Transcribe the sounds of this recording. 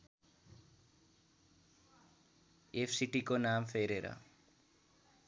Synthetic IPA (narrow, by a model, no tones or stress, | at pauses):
eːfʰsiʈikonaːmfʰeːɾeːɾa̰ː